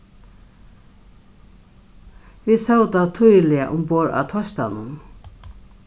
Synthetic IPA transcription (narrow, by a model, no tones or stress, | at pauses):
ʋisawt̪at̪ʰujlɪa̰ʔʊmpoːɹa̰t̪ʰɔst̪a̰nʊn